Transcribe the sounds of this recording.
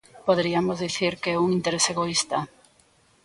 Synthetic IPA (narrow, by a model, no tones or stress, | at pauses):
poðɾiamozðiθiɾkeɛuŋint̪eɾeseɣoist̪a